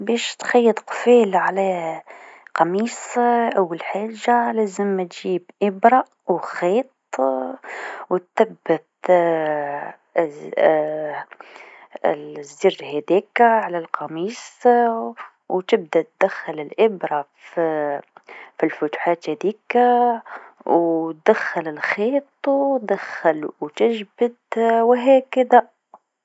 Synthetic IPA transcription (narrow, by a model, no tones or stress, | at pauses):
bɛːʃt̪xɑjːəd̪ˤqfiːlʕalæ | qɑmiːsʔæwːalħaːʒːalæːzəmːæt̪ʒiːbʔɪbɾˤɑʔwxeːt̪ˤ | wt̪θæbːɪt̪ | zːɪrʒhɛd̪iːkʕalalqɑmiːs | wt̪ɪb̚d̪at̪̚d̪axːɪlɪlʔɪbɾˤɑ | filfʊt̪u̥ħaːt̪hæd̪iːka | wt̪̚d̪axːalɪlxeːt̪ˤwtd̪axːalwt̪ɪʒbɪd̪wɦɛːkad̪a